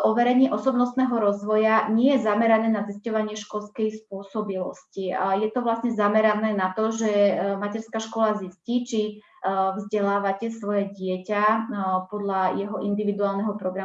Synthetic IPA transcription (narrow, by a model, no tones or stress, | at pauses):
ʔɔʋɛɾɛɲɪɛʔɔsɔbnɔst̪nɛːɦɔɾɔzʋɔjaɲɪɛjɛzamɛɾanɛːnaziscɔʋaɲɪɛʃkɔlskɛjspʊɔsɔbilɔ̰scijɛt̪ɔʋlasɲɛzamɛɾanɛːnat̪ɔʒɛmacɛɾskaʃkɔlazisciːt͡ʃi | vzɟɛlaːʋacɛsʋɔjɛɟɪɛcapɔd̪ʎajɛɦɔʔind̪iʋid̪uaːlnɛɦɔpɾɔɡɾam